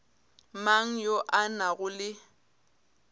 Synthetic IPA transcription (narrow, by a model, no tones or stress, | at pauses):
maŋ̩joʔanaɣʊlɪ